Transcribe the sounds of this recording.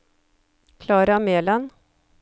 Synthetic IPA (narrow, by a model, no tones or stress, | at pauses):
kʰlɑːɾɑmeːlɑn